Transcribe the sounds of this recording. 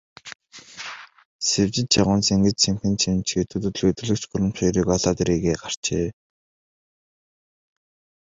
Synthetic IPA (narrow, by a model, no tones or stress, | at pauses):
sewt͡ɕɪ̆t͡ɕt͡ɕʰaʁʊːnt͡seŋɡɘ̆t͡ɕt͡ɕʰemxɘ̆nt͡ɕʰimt͡ɕxet̪ʰɵːt̪ɵt̪ɮɵt̪ɵ̆ɮɵ̆kt͡ɕɢʊɾɘ̆mt͡ɕɔjɾiːkɔɮaːt̪eɾiːɣeːɢar̥t͡ɕeː